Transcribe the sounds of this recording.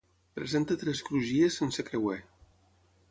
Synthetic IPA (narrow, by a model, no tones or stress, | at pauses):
pɾḛzent̪ət̪ɾɛskɾuʒiesːensəkɾewɛ